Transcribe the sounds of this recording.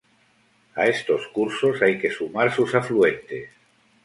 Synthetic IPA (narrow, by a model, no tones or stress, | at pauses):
aest̪o̞skuɾsosajkesumaɾsusafluent̪es